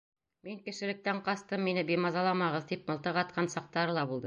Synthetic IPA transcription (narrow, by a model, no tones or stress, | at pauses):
miŋkɘ̆ʃɘ̆lɘ̆k̚t̪æɴqɑst̪ɤmːinɘbimɑzɑlˠɑmɑʁɤðt̪ip̚mɤ̆lˠt̪ɤʁɑt̪̚qʰɑnsɑq̚t̪ɑɾɤlˠɑbulˠd̪ɤ